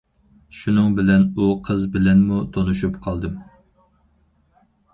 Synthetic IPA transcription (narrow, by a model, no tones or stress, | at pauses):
ʃunɨŋbɪlɛnuqʰəzbɪlɛnmut̪ʰonuʃupqʰɑlˠd̪ɨm